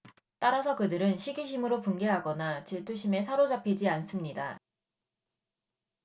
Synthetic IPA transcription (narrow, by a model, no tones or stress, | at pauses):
t͈aɾasʰʌkɯdɯɾɯnɕʰiɡiɕ̬ʰimɯɾopunɡeɦaɡʌnat͡ɕiɭtʰuɕʰime̞sʰaɾod͡ʑapʰid͡ʑians͈ɯmɲida̰